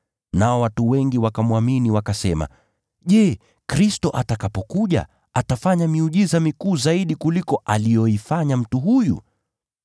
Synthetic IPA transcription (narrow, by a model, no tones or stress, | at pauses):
naɔwatuwɛŋɡiwakamwaminiwakasɛma̰ | ʄɛ | kɾistɔʔatakapɔkuʄa̰ | atafaɲamiuʄizamikuːzaiɗikulikɔʔalijɔifaɲam̩tuɦujṵ